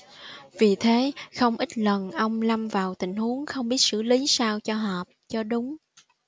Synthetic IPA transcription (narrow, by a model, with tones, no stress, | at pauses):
vi˨˩t̪ʰe˨˦xə˧wŋ͡mʔi˦˥t̟̚lə˨˩nʔə˧wŋ͡mla˧mvaː˨˩wt̪ï˧˩ŋ̟hu˨˦əŋxə˧wŋ͡mɓi˦˥ət̚sɨ̰˧˥li˨˦saː˧wt͡ɕɔ˧ɦɔː˨˩p̚t͡ɕɔ˧ɗʊ˨˦ŋ͡m